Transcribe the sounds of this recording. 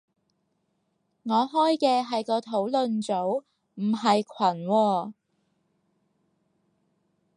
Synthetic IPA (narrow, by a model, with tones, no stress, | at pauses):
ŋɔː˨˧ɦɔː˥jkɛː˧ɦɐ˨jkɔː˧t̪ʰo˨˥wlɵ˨nt͡so˨˥w | m̩˨˩ɦɐ˨jkʷʰwɐ˨˩nwɔː˧